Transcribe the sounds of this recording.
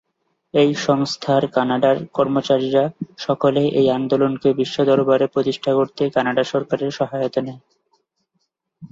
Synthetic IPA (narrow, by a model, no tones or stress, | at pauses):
ejʃɔŋst̪ʰaɾkanaɖaɾkɔɾmot͡ɕaɾiɾaʃɔkoleʔejand̪olonkebiʃːod̪ɔɾbaɾepɾot̪iʃʈʰakoɾt̪ekanaɖaʃɔɾkaɾeɾʃɔɦajot̪one